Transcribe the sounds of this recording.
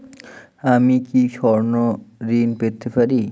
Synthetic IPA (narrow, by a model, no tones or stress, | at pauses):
amikiʃɔɾnoɾinpet̪ːepaɾi